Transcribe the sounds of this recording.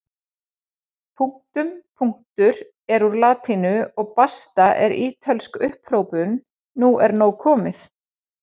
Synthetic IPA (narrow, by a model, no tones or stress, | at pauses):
pʰuŋ̥t̪ʏmpʰuŋ̥t̪ʏɾ | ɛɾuɾlaːt̪ʰinʏɔɣpast̪aʔɛɾiːt̪ʰœlskʏhpr̥owpʏnː | uɛɾnoːwkʰɔːmɪθ